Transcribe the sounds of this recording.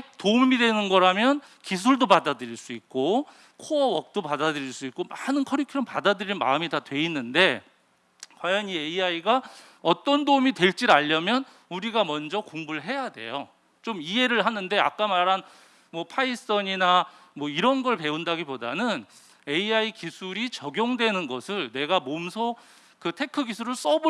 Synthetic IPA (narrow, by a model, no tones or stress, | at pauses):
toumidwe̞nɯnɡʌɾamjʌn | kis̬ʰuɭdopadadɯɾiɭs͈uit̚k͈o | kʰoʌʌk̚t͈opadadɯɾiɭs͈uik͈omanɯnkʰʌɾikʰiʌmpadadɯɾinma̰ɯmitatwe̞inːɯnde̞ | kwajʌnieiaiɡa | ʌt͈ʌndoumitwe̞ɭt͡ɕ͈iɾaʎːʌmjʌn | uɾiɡamʌnd͡ʑʌkoŋbuɭɦe̞jade̞̰jo | t͡ɕomie̞ɾɯɭɦanɯnde̞a̰k̚k͈amaɾɦan | mwʌpʰais͈ʌɲina | mwʌiɾʌnɡʌɭpe̞undaɡipodanɯn | e̞iaikisʰuɾit͡ɕʌɡjoŋdwe̞nɯnɡʌsʰɯɭne̞ɡamomsʰo | kɯtʰe̞kʰɯɡisʰuɾɯɭs͈ʌb